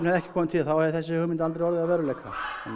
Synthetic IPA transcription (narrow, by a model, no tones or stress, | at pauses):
nɛðɛhcɪ̥kʰɔːmʏnt̪ʰilaθawhɛðɪθɛs̬ːɪhʏmɪnt̪alt̪ɾejɔɾðɪaðvɛːɾʏlejkʰa̰ɛ̰n